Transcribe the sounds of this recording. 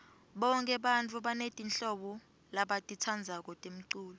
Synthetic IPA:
ɓɔŋkʼɛɓant͡fʰʼuɓanetʼinɬɔɓɔ | laɓatʼitʰand͡zʱak̬ɔtʼem̩ǀuːlɔ

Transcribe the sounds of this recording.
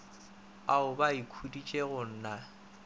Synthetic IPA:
aʊbaikʰudit͡ʃʼeɣʊn̩ːna

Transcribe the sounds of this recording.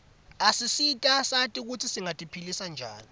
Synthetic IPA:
asisitʼasatʼik̬utʰisiŋatʼipʰilisand͡ʒʱa̰ːni

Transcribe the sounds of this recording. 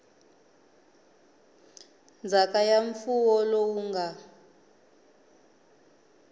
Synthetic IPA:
nd͡zʱakajaɱfuwɔlowuŋɡa

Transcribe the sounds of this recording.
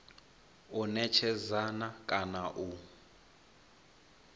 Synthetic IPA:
unɛt͡ʃʰɛzanakʼanaʔu

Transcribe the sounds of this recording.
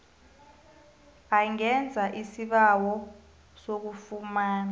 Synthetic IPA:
aŋɛnd͡zʱaʔisiɓawɔ | sok̬ufumaːna

